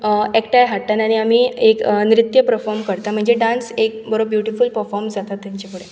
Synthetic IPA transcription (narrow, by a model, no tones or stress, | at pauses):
ekʈajɦaʈːanaɽ̃iamiːeknɾit̪jəpɾəɾfɔɾmkəɾt̪am̤əɳd͡zeɖãnsek̚bəɾob̚bjuʈifulpəɾfɔɾmd͡zat̪at̪ːjãɲt͡ɕapuɽ̤e